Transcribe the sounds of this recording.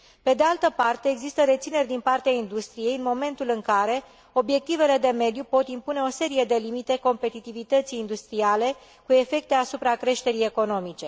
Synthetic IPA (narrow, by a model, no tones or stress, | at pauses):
pe̞d̪e̞alt̪əpart̪e̞ːɡzist̪əɾe̞t̪sine̞rʲd̪inpart̪eaind̪ust̪ɾije̞jɨnmo̞me̞nt̪ulɨŋkaɾe̞ | o̞bje̞k̚t̪ive̞le̞d̪e̞me̞d̪jupo̞t̪impune̞o̞se̞ɾije̞d̪e̞limit̪e̞ko̞mpe̞t̪it̪ivit̪ət̪sʲind̪ust̪ɾiale̞ | kue̞fe̞k̚t̪e̞asupɾakɾe̞ʃt̪e̞ɾije̞ko̞no̞mit͡ʃe̞